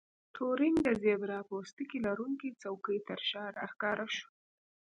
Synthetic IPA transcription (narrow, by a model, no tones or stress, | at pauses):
t̪ʰoɾɪŋɡd̪əzebɾɑpost̪əkilaɾuŋkit͡sawkəjt̪əɾʃɑɾaxkɑɾaʃu̥